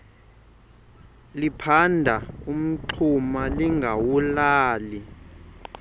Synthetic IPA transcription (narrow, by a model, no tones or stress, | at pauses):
lipʰandʱaum̩ǀʰumaliŋɡʱawulaːli